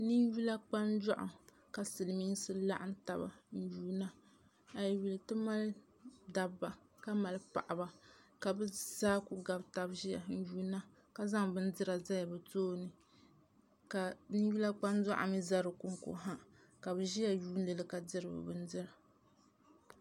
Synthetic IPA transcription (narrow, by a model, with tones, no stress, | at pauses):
ni˦ju˦la˦k͡pa˦nda̰˦ʔʊ̰˨ | ka˨sɨ˨lmi˦ŋsɨ˦la̰˦ʔa˦n˦ta˨ba̰˨n̩˦juː˦na˦ | a˨jji˨lɨ˨tɨ˦ma˦l | da˨bːa˨ | ka˦ma˨lpa̰˨ʔa˨ba˨ka˨bɛ˦zaː˦ku˦ɡa˨bta˨bʒi˦ja̰˨˦n̩˦juː˦na˦ | ka˨za˦ŋbɨ˦n˦dɨ˦ɾa˨za˦ja˨bɨ˨toː˦nɨ˨ | ka˨ni˦ju˦la˦k͡pa˦nda̰˦ʔa̰˨mi˦za˦ɾɨ˨kʊ˨ŋko̰˨ɦa˦ | ka˨bɨ˨ʒi˦ja˨juː˦n˦lɨ˨lɨ˦ka˨dɨ˦ɾɨ˨bɨ̰˨bɨ˦n˦dɨ˦ɾa˨